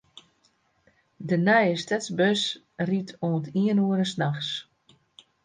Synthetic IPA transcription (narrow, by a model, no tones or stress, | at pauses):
dənɛjəstɛtsbøs | ritʰoəntiənuəɾəsnaxs